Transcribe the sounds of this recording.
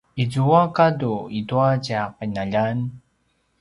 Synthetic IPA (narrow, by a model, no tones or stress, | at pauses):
izuakaduituacaqinaʎan